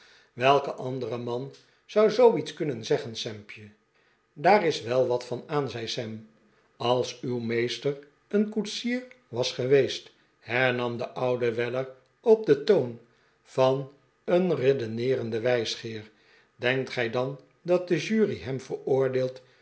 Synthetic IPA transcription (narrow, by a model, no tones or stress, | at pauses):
ʋɛlˠkəʔɑndərəmɑn | z̥ɑwzowitskɵnənzɛχənsɛmpjə | daːrɪsʋɛlˠʋɑtfɑnaːnzɛjsɛm | ɑlˠsywmejstər | ənkutsiːɹ | ʋɑsχəʋejst | hɛɹnɑmdəʔʌwdəʋɛlər | ɔb̚dətown | v̥ɑn | ənredənɪːrəndəʋɛjsχɪːɹ | dɛŋk̚tχɛjdɑn | dɑt̚dəʒyːriɦɛmvəɹʊːɹdeːlˠt